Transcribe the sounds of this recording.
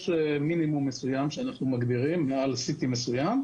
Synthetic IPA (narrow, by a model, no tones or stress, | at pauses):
ʃleminimumːesujamʃeanaχnumaɡdiʁimːealsit̪imesujam